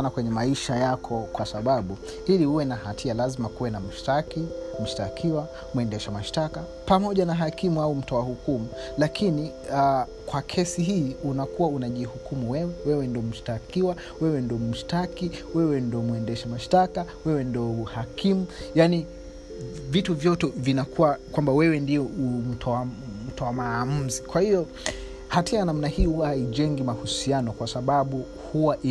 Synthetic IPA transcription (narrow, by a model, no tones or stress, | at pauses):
nakwɛɲɛmaiʃajakʰɔkwasaɓaɓu | ilihuwɛnahatʰialazimakuwɛnam̩ʃtakim̩ʃtakʰiwa | muɛndɛʃamaʃtaka | pamɔʄanaɦakimuaum̩tɔwahukumulakʰini | a | kwakʰɛsiɦiːunakuwaunaʄihukumuwɛwɛwɛwɛndiɔm̩ʃtakiwa | wɛwɛndɔm̩ʃtakiwɛwɛndɔmuɛndɛʃɛmaʃtakawɛwɛndɔuhakimujani | vituvjɔtɛvinakʰuwakwambawɛwɛndiɔum̩tʰm̩tɔwamam̩zikwahiɔ | hatiajanam̩nahiːhuwahaiʄɛŋɡimahusianɔkwasaɓaɓu | huwaʔi